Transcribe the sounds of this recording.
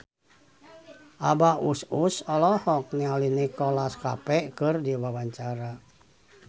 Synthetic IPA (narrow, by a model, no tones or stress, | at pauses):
ʔabaʔususɔlɔhɔk̚nialinikɔlaska̰pɛʔkɨrdiwawaɲt͡ʃaɾa